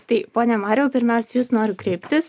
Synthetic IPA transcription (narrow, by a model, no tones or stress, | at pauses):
t̪ɐɪpoːnʲɛmɑːɾʲɛʊpʲɪɾʲmʲɛʊsʲɛjuːsnoːɾʲʊkɾʲɛɪpʲt̪ʲɪs